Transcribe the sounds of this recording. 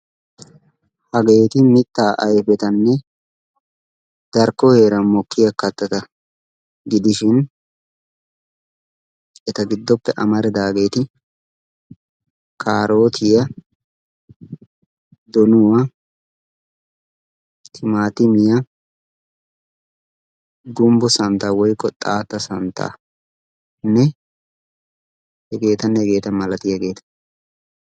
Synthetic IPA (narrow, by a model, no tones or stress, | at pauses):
hɐɡe̞ːt̪ɪmɪt̪ːaːʔɐjfɛt̪ɐnːɛ | d̪̥ɐɾkːɔheːɾɐmɔkːɪjɐkːɐt̪ːɐt̪ɐ | ɡɪd̪ɪʃɪn | ɛt̪ɐɡɪd̪ːɔpːɛʔɐmɐɾɛd̪aːɡe̞ːt̪ɪ | kʰaːɾo̞ːt̪ʰɪjɐ | d̪ɔnʊwa | tʰɪmaːt̪ɪmɪjɐ | ɡʊmbɔsɐnt̪aːwɔjkːɔt̪ʼaːt̪ːɐsɐnt̪ʰa̰ː | nːɛ | hɛɡe̞ːt̪ɐnːɛɛɡe̞ːt̪ɐmɐlɐt̪ɪjɐɡeːt̪ɐ̥